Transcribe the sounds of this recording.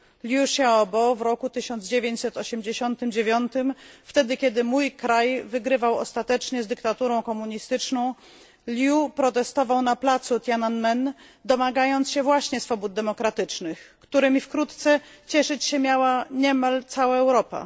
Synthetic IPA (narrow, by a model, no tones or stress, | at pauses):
lʲjuʂaɔbɔvɾɔkut̪ɘɕɔnd̪zd͡ʑevʲjeɲt͡ɕʲsɛt̪ɔɕɛmd͡ʑeɕɔnt̪ɘmd͡ʑevʲjɔnt̪ɘmft̪ɛd̪ɘkʲɛd̪ɘmujkɾajvɘɡɾɘvawɔ̰st̪at̪ɛt͡ʂɲɛzd̪ɘkt̪at̪uɾɔ̃w̃kɔmuɲist̪ɘt͡ʂnɔ̃w̃ | lʲjupɾɔt̪ɛst̪ɔvawnaplat̪sut̪jananmɛn | d̪ɔmaɡajɔnt̪sɕɛvwaɕɲɛsfɔbud̪̚d̪ɛmɔkɾat̪ɘt͡ʂnɘxkt̪uɾɛmʲifkɾut̪t̪sɛt͡ɕɛʂɘt͡ɕɕɛmʲjawaɲɛmalt̪sawaɛwɾɔpa̰